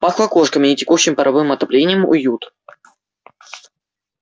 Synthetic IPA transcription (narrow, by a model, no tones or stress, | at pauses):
paxlˠɐkoʂkəmʲɪnʲɪtʲɪkuɕːɪmʲpəɾʔɐvɨmɐt̪ɐplʲenʲɪjəmʊ̰jut̪